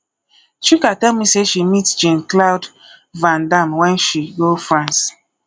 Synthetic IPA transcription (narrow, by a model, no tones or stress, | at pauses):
t͡ʃikatɛlmiseʃimitd͡ʒẽnklaʊd | vãndãmwɛ̃nʃiɡofɹãns